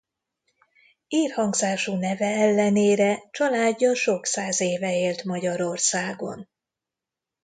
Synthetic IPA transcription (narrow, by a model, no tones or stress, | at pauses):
iːrhɒŋɡzaːʃuːnɛvɛɛlːɛneːɾɛt͡ʃɒlaːɟːɒʃo̞ksaːzeːvɛeːlt̪mɒɟɒɾo̞rsaːɡo̞̰n